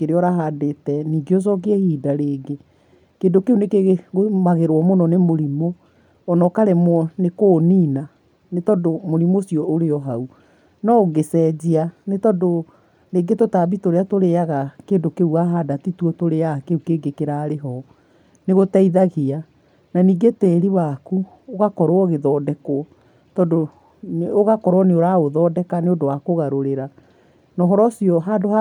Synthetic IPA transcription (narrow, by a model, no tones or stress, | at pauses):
keɾeɔɾaɦadetɛniːɡeos̬ɔk̬eɛhiːdaɾeːɡe | keːndokeunekeɣɣomaɣeɾwɔmonɔnemoɾimoː | nɔkaɾɛmwɔnekoːniːna | netɔdomoɾimosiɔoɾeɔɦau | nɔoɡesɛd͡ʑianetɔdo | ɾeːɡetotaβitoɾeatoɾeaɣakeːndokeuɣaɦadatituɔtoɾeakeukeɡekeɾaɾeɦɔ | neɣotaiðaɣea | naniːɡetɛːɾiwaku | oɣakɔɾwɔɣeðɔːdɛko | tɔdo | noɣakɔɾwɔneoɾaoðɔːdɛkaneodowakoɣaɾoɾeɾa | nɔɦɔɾɔsiɔɦaːdoha